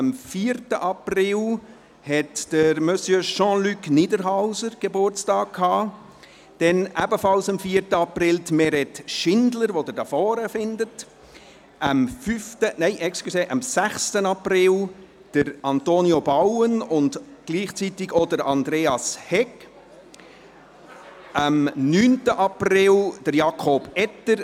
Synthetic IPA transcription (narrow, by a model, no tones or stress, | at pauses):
əmfiːɾtəʔɑprɪl | hɛtd̥əɾmœsjøʃɑ̃ːlykniːdəɾɦaʊzəɾɡ̥ebʊrt͡stɑːk̚kʰhɑː | d̥ɛnæbəfɑlsɑmfiːɾtəɑprɪltmɛɾɛtʃɪndləɾʋodəɾdɑfɔːɾəfɪndət | ʔəmfyftəneɪʔɛksklyseːʔɑmsæχstənɑprɪl | d̥əɾɑntoːniobawənʊndɡ̥liːχt͡sitɪɡodəɾɑndɾeːɑshɛk | əmnyːntəʔɑprɪld̥əɾjɑkʰob̥ɛtəɾ